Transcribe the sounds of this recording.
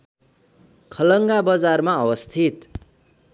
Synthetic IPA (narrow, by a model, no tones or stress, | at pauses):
kʰʌlʌŋɡabʌd͡zarmaʌwʌst̪ʰit̪